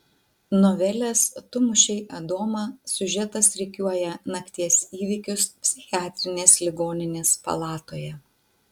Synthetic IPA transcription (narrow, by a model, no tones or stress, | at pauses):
nɔʋʲɛlʲɛst̪ʊmʊʃʲɛɪʔɐd̪oːmɐsʲʊʒʲɛt̪ɐsɾʲɛkʲuɔjɛnɐkt̪ʲiɛsʲiːʋʲɪːkʲʊspʲsʲɪxʲɪaːt̪ʲɾʲɪnʲeːslʲɪɡoːnʲɪnʲeːspɐ̰lˠɑːt̪oːjɛ